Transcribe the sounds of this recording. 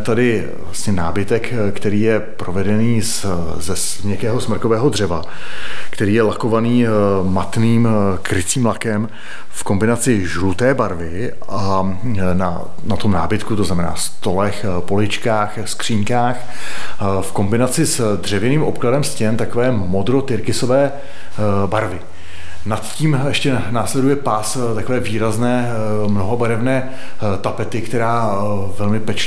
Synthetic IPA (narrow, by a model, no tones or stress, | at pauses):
t̪adɪ | vlasɲɛnaːbɪt̪ɛk | kt̪ɛɾiːjɛ | pɾo̞vɛdɛniːs | zɛs | ɲɛkɛːɦo̞smr̩ko̞vɛːɦodr̝ɛva | kt̪ɛɾiːjɛlako̞vaniːmat̪niːmkɾɪt͡siːmlakɛm | fko̞mbɪnat͡sɪʒlut̪ɛːbaɾvɪ | ʔa | na̰ | nat̪omnaːbɪt̪kut̪oznamɛna̰ːst̪o̞lɛx | po̞lɪt͡ʃkaːxskr̥iːɲkaːx | fko̞mbɪnat͡sɪsd̪r̝ɛvjɛniːmʔo̞pkladɛmscɛmt̪ako̞vɛːmo̞d̪ɾot̪ɪɾkɪso̞vɛː | baɾvɪ | nat̪ciːmjɛʃcɛnaːslɛdujɛpas | t̪ako̞vɛːviːɾaznɛː | mno̞ɦobaɾɛvnɛː | t̪apɛt̪ɪkt̪ɛɾaː | vɛlmɪpɛt͡ʃɛ